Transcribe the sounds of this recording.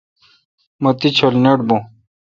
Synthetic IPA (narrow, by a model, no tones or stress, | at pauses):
mɐt̪it͡ɕʰolneʈ̚bõ